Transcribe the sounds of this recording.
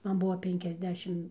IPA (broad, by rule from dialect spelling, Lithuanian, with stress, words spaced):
ˈmɐn ˈbʊʋoː ˌpʲɛŋʲkʲɛzʲˈdʲæːʃʲɪm